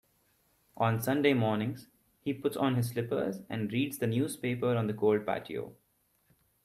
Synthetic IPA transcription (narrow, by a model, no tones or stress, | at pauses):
ʔɔ̃ːnsʌ̃nɖeːmɔːɾnɪ̃ŋz̥ | hiːpʊʈsɔ̃ːnɦɪzslɪpə̰ɾzæ̰̃ɳɖɾiːɖzd̪ənjuːzpeːpəɾɔ̃ːnd̪əkoːlɖ̚pæ̰ːʈʰḭo̰ː